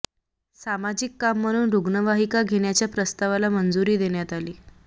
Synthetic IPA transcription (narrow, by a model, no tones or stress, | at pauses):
samad͡ʑikːamːəɽ̃uːnɾuɡnəʋaɦikaɡʱeɽjat͡ɕjapɾəst̪aʋalamənd͡zuɾiːd̪eɳjat̪aliː